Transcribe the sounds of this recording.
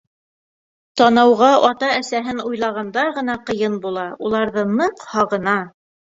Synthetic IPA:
t̪ɑnɑwʁɑʔɑt̪ɑæsæɦɘnujlˠɑʁɑnd̪ɑʁɤ̆nɑqɤ̆jɤnbulˠɑulˠɑɾðɤnɤqhɑʁɤ̆nɑ

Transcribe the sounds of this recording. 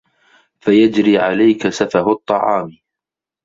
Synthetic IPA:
fajad͡ʒɾiːʕalajkasafahʊt̪ˤːɑʕɑːm

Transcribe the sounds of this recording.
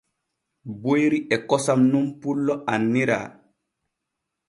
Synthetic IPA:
bojɾiʔɛkɔsamnumpulːɔʔanːiɾa̰ː

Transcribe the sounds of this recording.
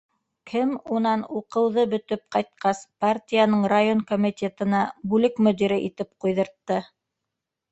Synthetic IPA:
kʰɘmunɑnuqɤ̆wðɤbɵ̆t̪ɵp̚qɑjt̪̚qɑspartʲijanɤɴrajonkomʲit̪ʲet̪ɤ̆nɑbʉlɘkmŏd̪iɾɘʔit̪ɘp̚qujðɤ̆ɾt̪ːɤ

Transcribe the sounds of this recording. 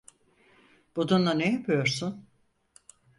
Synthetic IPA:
b̥ud̪unlˠanejapʰɯjo̞ɾsun

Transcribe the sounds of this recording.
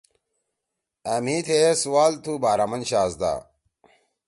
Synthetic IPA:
ɐmit̪ʰesuwaːlt̪ʰubaːɾamɐnɕaːzd̪a̰ː

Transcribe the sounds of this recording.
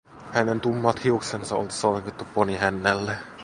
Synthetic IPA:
hæne̞nt̪umːɑt̪hiuksensɑo̰lt̪i̥soŋkit̪ːupːoniɦænːælːe

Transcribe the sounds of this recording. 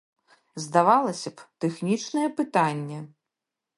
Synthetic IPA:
zd̪avalˠɐsʲɐpt̪ɛxnʲit͡ʂnɐjɛpɨt̪anʲːɛ

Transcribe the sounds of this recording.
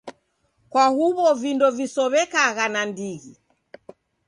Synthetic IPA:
kwahuβɔvindɔvisɔβɛkaɣanandiɣi

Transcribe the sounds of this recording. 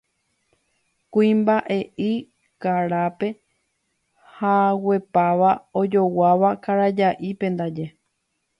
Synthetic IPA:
kuĩmbaʔe̞ʔi | kaɾape̞ | hawe̞paʋao̞d͡ʒo̞waʋakaɾad͡ʒaʔipẽ̞nd̪ad͡ʒe̞

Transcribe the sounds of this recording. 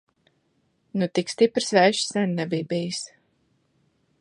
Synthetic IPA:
nut̪ikst̪ipɾsvɛːʃsɛnʲnɛbiːbijs

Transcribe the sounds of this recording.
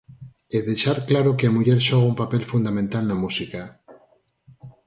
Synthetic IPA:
eðe̞ʃaɾklaɾokeamuʝeɾʃoɣaumpape̞lfund̪amẽnt̪alnamusika

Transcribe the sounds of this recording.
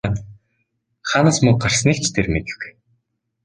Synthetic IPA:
n | χaːnaːsmɵŋɢar̥sniːkt͡ɕʰt̪ʰermet̪ɘ̆wwu̥j

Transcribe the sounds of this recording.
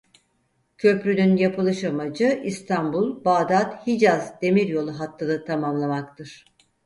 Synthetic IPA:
cʰø̞pɾynynjapʰɯlˠɯʃamad͡ʒɯist̪ʰanbulˠbaːd̪at̪hid͡ʒazd̪e̞miɾjo̞lˠuɦat̪ʰːɯd̪at̪ʰamamlˠamakt̪ʰɯɾ̥

